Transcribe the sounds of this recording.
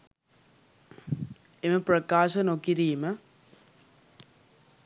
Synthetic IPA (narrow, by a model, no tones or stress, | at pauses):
emɐpɾɐkaːʂɐnokːiɾijmɐ